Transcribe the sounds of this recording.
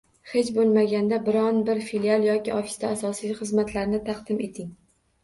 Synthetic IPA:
χet͡ʃbolˠmaɡʲand̪abɪɾɒnbɪɾfilialˠjɒkʲɪʔɒfi̥st̪aːsɒsijχɨzmat̪ʰlaɾnɪt̪ʰɑqd̪ɪme̞t̪ʰɪŋ

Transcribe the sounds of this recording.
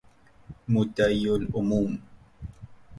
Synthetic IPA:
mʊt̪ajʊlʊmum

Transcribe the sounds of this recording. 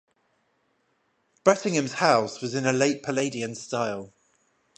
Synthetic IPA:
b̥ɹɛtɪ̃ŋə̃mz̥haʊswɒzɪ̃nəleɪʔpʰəleɪdiə̃nstaɪlˠ

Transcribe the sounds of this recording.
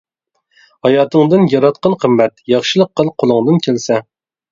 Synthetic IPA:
hɑjɑːt̪ɨŋd̪ɨnjɑɾɑt̪̚qɑnqʰəmːɛt̪jɑχʃɨlˠəqʰːəlˠqʰolˠɨŋd̪ɨnkʲʰelsɛ

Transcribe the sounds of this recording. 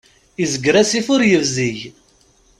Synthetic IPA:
izəɡɾæsifʊɾjəvziʝ

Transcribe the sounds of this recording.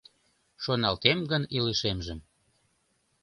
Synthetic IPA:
ʃonɑlt̪emɡəniləʃemʒəm

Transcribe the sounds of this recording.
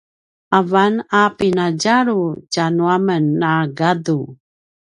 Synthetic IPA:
ʔavanapinaɟaɾucanuamənːaɡadu

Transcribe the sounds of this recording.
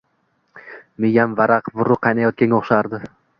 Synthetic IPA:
mejamvaɾaqvʊɾːʊqʰɑjnajɒt̪̚kʲanʲoχʃaɾd̪ɪ

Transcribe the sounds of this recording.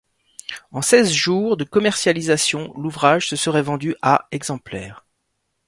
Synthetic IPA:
ɑ̃sɛzʒuːʁd̪əkɔmɛʁsjalizasjɔ̃luvʁaʒsəsəʁɛvɑ̃d̪yʔaɛɡzɑ̃plɛ̰ːʁ

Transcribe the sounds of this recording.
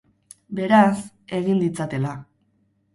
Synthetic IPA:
be̞ɾas | e̞ɣind̪it͡sat̪e̞la

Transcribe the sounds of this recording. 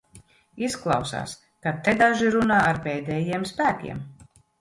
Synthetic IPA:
isklˠɑwsa̰ːs | kat̪ed̪aʒiɾunaːaɾpɛːd̪ɛːjiɛmspæːkʲḭɛm

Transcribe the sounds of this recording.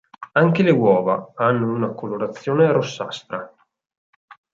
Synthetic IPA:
aŋk̟elewɔːvaanːounakoloɾat̪sːjoːneɾosːa̰st̪ɾa

